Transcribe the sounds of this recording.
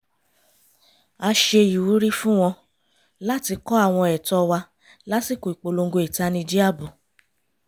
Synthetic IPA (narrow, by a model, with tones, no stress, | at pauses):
a˧ʃe˧i˨wu˨˦ɾi˦fũ˦w̃ɔ̃˧ | la˦ti˧kɔ˦a˦˨w̃ɔ̃˧ɛ˨tɔ˧wa˧ | la˦si˦˨ko˨i˨k͡po˨lo˧ŋ˦ɡo˧i˨ta˧nĩ˧d͡ʒi˦a˦˨bu˨